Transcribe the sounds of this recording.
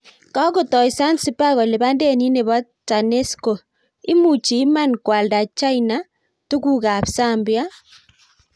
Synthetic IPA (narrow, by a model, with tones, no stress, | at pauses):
ka˦ko˨tɔ˨i˨sa˦nsi˦pa˦ɣɔ˨le˨βa˦nde˦˨ni˦ne˨βa˦ta˨ne˦sko˨ | i˦mu˨t͡ʃi˨˦ma˦nkwa˨lda˨t͡ʃa˦i˨na˦ | tu˦ku˦˨ka˨psa˦˨mbja˦